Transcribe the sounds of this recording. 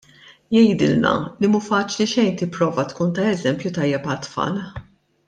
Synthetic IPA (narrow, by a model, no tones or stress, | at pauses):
jɛjd̪ɪ̰lnɐ̰limuːfɐːt͡ʃliʃɛjnt̪ɪpːɾɔːvɐt̪kuːnt̪ɐɛzɛmpjut̪ɐjːɛpɐt̪fɐ̰l